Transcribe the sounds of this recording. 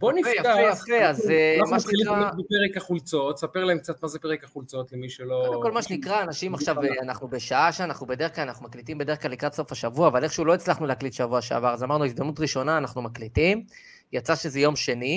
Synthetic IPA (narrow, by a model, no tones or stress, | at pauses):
bonifjaaejafeazemaʃeiliʁabepeʁekaχult͡so̞t̪sape̞ʁlaemk̚t͡sat̪mazepeʁekaχult͡sot̪lemiʃelolko̞lmaʃenikʁaːnaʃimaχʃavanaχnube̞ʃaaʃaanaχnubede̞ʁeχklalanaχnumaklitimbede̞ʁeχklalːikʁat̪so̞faʃavuaːvaleχʃeulo̞it͡slaχnuleaklitʃavuaʃea̰vaʁazamaʁnuizd̪amnutʁiʃo̞naːnaχnumaklitim | jat͡saʃezejo̞mʃe̞ni